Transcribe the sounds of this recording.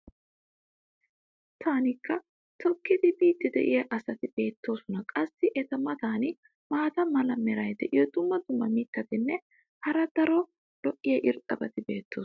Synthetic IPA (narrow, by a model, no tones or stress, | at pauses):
t̪ʰaːnɪkːɐ | t̪ʰɔkːɪd̪ɪbiːt̪ːɪd̪ɛ̰ʔɪjɐʔɐsɐt̪ɪb̥e̞ːt̪ʰːo̞ːsɔnɐkʼɐsːɪʔɛt̪ɐmɐt̪aːnɪ | maːt̪ɐmɐlɐmɛɾɐjd̪ɛʔɪjɔd̪ʊmːɐd̪ʊmːɐmiːt̪ːɐt̪ɪnːɛ | hɐɾɐd̪̥ɐɾɔ | lɔʔɪjɐʔɪɾt̪ʼɐbɐt̪ɪbe̞ːt̪ʰːo̞ː